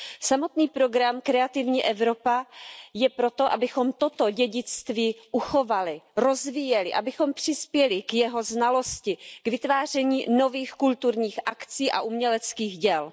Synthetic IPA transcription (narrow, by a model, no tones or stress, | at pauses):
samo̞t̪niːpɾo̞ɡɾamkɾɛat̪ɪvɲiːʔɛvɾo̞pajɛpɾo̞t̪o̞ʔabɪxo̞mt̪o̞t̪oɟɛɟɪt͡st̪viːʔuxo̞valɪɾo̞zviːjɛlɪ̰ʔa̰bɪxo̞mpr̝̥ɪspjɛlɪkjɛɦo̞znalo̞scɪkvɪt̪vaːr̝ɛɲiːno̞viːxkult̪uɾɲiːxʔakt͡siːʔa̰ʔumɲɛlɛt͡skiːxɟɛl